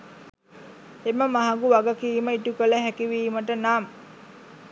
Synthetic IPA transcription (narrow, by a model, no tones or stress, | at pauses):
eməmaɦaɡuʋaɡəkiːməiʈukələɦækiʋiːməʈənaːm